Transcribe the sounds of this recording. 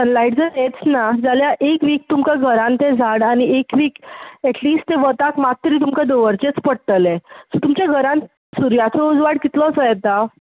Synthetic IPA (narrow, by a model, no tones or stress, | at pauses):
sənlaiʈd͡zəɾet͡snad͡zaljaʔekʋiːk̚t̪umkaɡʱəɾãnt̪ed͡zʱaɽañiekʋiːkɛʈliːsʈt̪eʋət̪akmat̪ːəɾiːt̪̬umkad̪oʋəɾt͡ɕet͡spəɽt̪əlẽsot̪umt͡ɕjaɡʱəɾãn | suɾjat͡sɔud͡zʋaɽkit̪lɔt͡sɔjɛt̪a